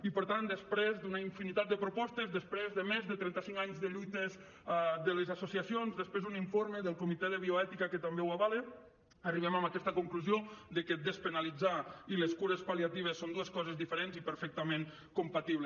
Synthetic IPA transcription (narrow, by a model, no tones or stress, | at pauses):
ipəɾt̪and̪əspɾezd̪unaiɱfinit̪at̪̚d̪əpɾupɔst̪əzðəspɾezðəmezðət̪ɾɛnt̪əsiŋkaɲzðəʎujt̪əz | d̪ələzasusiəsionzðəspɾezd̪uniɱfoɾməðəlˠkumit̪ɛðəβioɛt̪ikəkət̪ambewaβale | əriβ̞ɛmambəkɛst̪əkuŋkluziod̪əkəd̪əspənalid͡zailəskuɾəspaliat̪iβəsːond̪uəskɔzəzðifəɾenzipəɾfɛk̚t̪əmẽŋ | kumpat̪iβlə